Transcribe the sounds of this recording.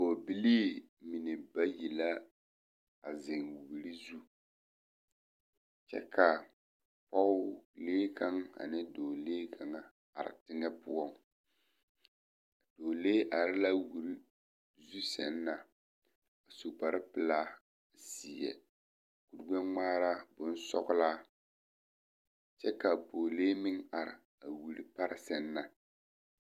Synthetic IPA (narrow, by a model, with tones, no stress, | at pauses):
ko˨bi˦liː˦mi˨nɛ˨ba˦ji˨la˦ | a˨zɪ˨ŋwu˨bɾi˦zu˦ | t͡ʃɛ̰˦kʰa˨ | pɔ˦leː˦kʰa˦ŋa̰˨nɪ˦doː˨leː˦kʰa˨ŋa˨ | a̰˨ɾɪ̰˨tɪ˦ŋɛ˦pʊ˦ɔ˦ŋ | d̥oː˨leː˦ʔa˨ɾɪ˦la˦wu˨ɾi˦ | zu˦sɛ̰˨nː˦a˨ | a˨su˨k͡pa˨ɾɪ˦pɨ˨laː˦˨ | si˨jɛ̰˨ | ku˨ɾɡ͡bɛ˦ŋŋ͡maː˦ɾa˦bʊ˦n˦sɔ̰˦ɣʊ˦laː˦ | t͡ʃɛ˦ka˨boː˨leː˦mɪ˦ŋa˨ɾɪ̰˨ | a˨wu˨ɾi˨pa˦ɾɪ˦sɛ˨nː˦a˨